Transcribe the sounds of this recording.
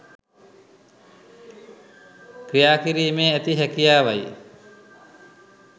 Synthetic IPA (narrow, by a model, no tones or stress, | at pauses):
kɾijaːkiɾiːmeːæt̪iɦækijaːʋaj